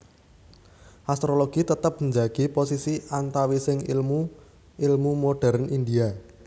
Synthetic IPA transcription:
ʔast̪ɾoloɡ̥it̪ət̪əp̚ɲd͡ʒaɡ̥iposisiʔant̪awisɪŋlmu | ilmumoɖ̥ɛ̤ɾnʔind̪ia

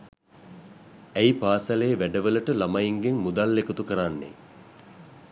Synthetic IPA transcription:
æjpaːsalejːʋæɖəʋələʈəlamɐjiŋɡeŋmud̪alːekut̪ukəɾanːḛ

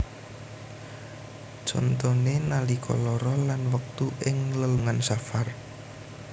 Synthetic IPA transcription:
d͡ʒɔ̰nt̪ɔnenalikʰɔ̰lɔɾɔlanwək̚t̪uʔɪŋləluŋansafar

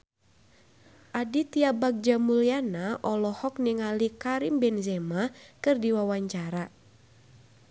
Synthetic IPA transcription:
ʔadit̪iabak̚d͡ʒamulianaʔɔlɔhɔk̚niŋalikaɾimbɛnzɛmakɨrdiwawaɲt͡ʃaɾa

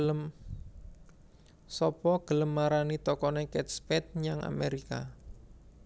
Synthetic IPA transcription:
əm | sɔpɔɡ̥ələmːaɾanit̪ɔkɔnekɛt̪̚spɛt̪̚ɲaŋa̰meɾika

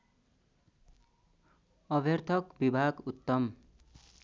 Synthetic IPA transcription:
ʌbʱert̪ʰʌkbibʱaɡut̪ːʌm

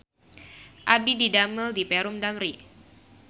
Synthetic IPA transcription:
ʔabididaməldipɛɾʊmdamɾi

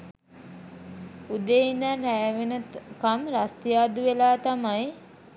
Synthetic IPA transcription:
ud̪eind̪anɾæʋenəkamɾast̪ijaːd̪uʋelaːt̪amaj

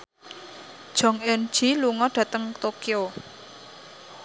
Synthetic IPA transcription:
d̥ʒ̥ɔ̤ŋend̥ʒ̥iluŋɔɖ̥ä̤t̪əŋt̪okio

